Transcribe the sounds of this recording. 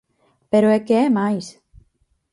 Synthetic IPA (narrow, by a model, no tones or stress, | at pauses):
peɾoɛkeɛmajs